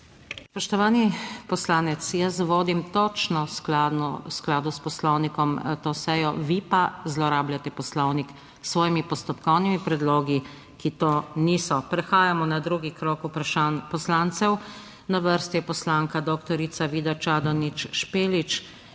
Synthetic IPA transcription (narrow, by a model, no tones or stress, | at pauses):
spɔʃt̪ɔʋaːnipɔslaːnɛt̪sjəsʋoːd̪imt̪ɔt͡ʃnɔsklaɔsklaːd̪uspɔslɔwnikɔmt̪oːsɛjɔʋipazlɔɾaːbljat̪ɛpɔslɔwnik | sʋɔːjimipɔst̪ɔpkɔwnimipɾɛd̪loːɡi | kit̪oːnisɔpɾɛxaːjamɔnad̪ɾuɡikɾɔːkupɾʃanpɔslaːnt̪sɛw | naʋəɾst̪iɛpɔslaːŋkad̪okt̪ɔɾit̪saʋiːd̪at͡ʃad̪ɔnit͡ʃʃpeːlit͡ʃ